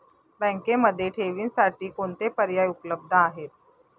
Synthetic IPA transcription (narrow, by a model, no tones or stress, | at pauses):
bə̃ŋkeməd̪ʱːjeʈʰeʋiːnsaʈiːkoɳt̪epəɾjajupələb̚d̪ʱəaɦet̪̚